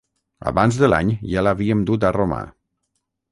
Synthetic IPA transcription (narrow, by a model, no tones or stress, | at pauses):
a̰βanzðəla̰ɲʒalaβiəmd̪ut̪aroma̰